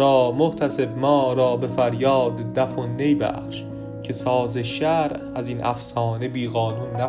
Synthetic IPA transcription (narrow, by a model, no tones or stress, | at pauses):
ɒːmoht̪ʰæse̞bmɒːɾɒːbe̞fæɾjɒːd̪d̪æfonːe̞jbæ̰χʃ | cʰe̞sɒːzeʃæɾ | æziːnʔæ̰fsɒːnebiːɣɒːnuːnːæ